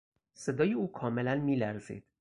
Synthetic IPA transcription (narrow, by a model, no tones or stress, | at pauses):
se̞d̪ɒːjeuːkʰɒːme̞lænmiːlæɾzḭːd̪̥